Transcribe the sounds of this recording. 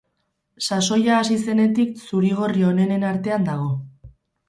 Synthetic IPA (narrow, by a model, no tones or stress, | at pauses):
saso̞jaːsise̞ne̞t̪iksuɾiɣ̞o̞rio̞ne̞ne̞naɾt̪e̞and̪aɣ̞o̞